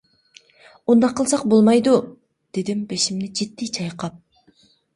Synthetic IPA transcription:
und̪ɑqɯlˠsɑq̚bolˠmɑjd̪u | d̪̥e̞d̪imbe̞ʃimnid͡ʒet̪ːit͡ʃʰɑjqɑp̚

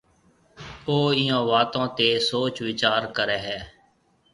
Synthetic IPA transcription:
oːɪjõːʋaːt̪õːt̪eːsoːt͡ʃʋɪt͡ʃaːɾkəɾɛːɦɛː

